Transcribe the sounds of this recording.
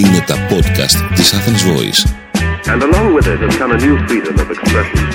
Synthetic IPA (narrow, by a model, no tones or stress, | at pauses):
ine̞t̪ɐpo̞d̪kɐ̰st̪ːisɐθenzvo̞̰ḭs | ɨ̃nəlɔ̃ŋwɪðɪt̚ɨzɡʌ̃nənjʉfɹiɾə̃mʌvɨkspɹɛʃə̃n